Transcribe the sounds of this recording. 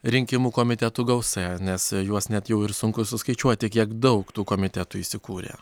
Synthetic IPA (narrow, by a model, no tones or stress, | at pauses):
ɾʲɪŋʲkʲɪmuːkoːmʲɪt̪ʲɛt̪uːɡɐʊsɛnʲɛsjuɔsnʲɛt̪jɛʊɪɾsʊŋkʊsʊskɐɪt͡ʃʲuɔt̪ʲɪkʲiɛkd̪ɒʊkt̪uːkoːmʲɪt̪ʲæt̪uːiːsʲɪkuːɾʲḛː